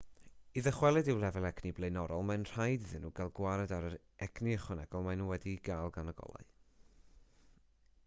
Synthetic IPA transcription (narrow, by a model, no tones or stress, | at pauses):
iðəχwɛlˠɛdɪwlˠɛvɛlˠɛɡniblˠejnɔɾɔlˠmanr̥ajdɨðɨnːuːɡalˠɡwaɾɛdaɾəɾ | ɛɡniəχwɛnɛɡ̥ɔlˠmanuwɛdiɡalˠɡanəɡɔ̰lˠa̰ɨ